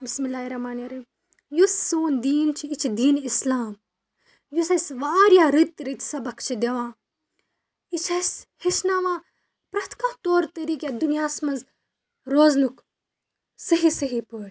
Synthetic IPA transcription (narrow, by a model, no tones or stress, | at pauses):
bismilaːiɾɐmaːnɐɾi | jusːoːnd̪iːnt͡ʃʰiit͡ʃʰd̪iːnislaːm | jusɐsʋaːɾjaːɾit̪ɾit̪sɐbɐkt͡ʃʰid̪eʋãː | it͡ʃʰɐshisnaːʋãː | pɾɐt̪ʰkãːt̪oːɾt̪ɐɾiːkʲed̪unijaːsmɐz | ɾoːznuk | sɐɦisɐɦipəːɽ